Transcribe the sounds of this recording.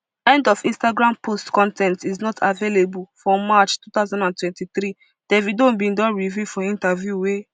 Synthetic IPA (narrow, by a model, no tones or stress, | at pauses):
ɛ̃ndɔfĩnstaɡɹãmpʰostkɔ̃ntʰɛ̃ntiznɔtʰavelebulfɹɔ̃mat͡ʃtut̪aʊzãndãntwɛ̃ntiθɾi | d̥ɛvidõnbĩndɔ̃nɹivifɔ̃ĩntavjuwe